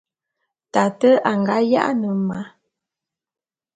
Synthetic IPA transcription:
ta˨tə˦a˨ŋɡa˦ja̰˦ʔnə˨ma˨˦

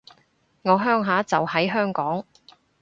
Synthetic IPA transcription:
ŋɔː˨˧ɦœː˥ŋɦaː˨˥t͡sɐ˨whɐ˨˥jɦœː˥ŋkɔː˨˥ŋ

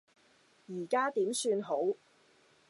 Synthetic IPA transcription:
jiː˨˩kaː˥t̪iː˨˥msyː˧nɦo˨˥w

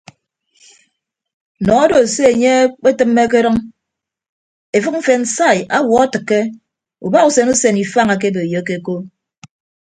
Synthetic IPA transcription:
nɔ˨˦ɔ˦do˨se˦e˨ɲe˦k͡pe˦tɨ˦mːe˦k̬e˦ɾɨ˦ŋ | e˨fɨ˦k̚m̩˦fe˨n̩˨sa˦˨ja˦wɔ˨a˦tɨ˨kːe˦ | ṵ˨ba˦ɣu˨se˨nu˦se˨ni˨fa˦˨ŋa˨k̬e˦be˨jo˨˦ke˦ko˦

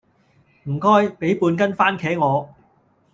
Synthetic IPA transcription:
m̩˨˩kɔː˥jpe˨˥jpuː˧nk̬ɐ˥nfaː˥nkʰɛː˨˥ŋɔː˨˧

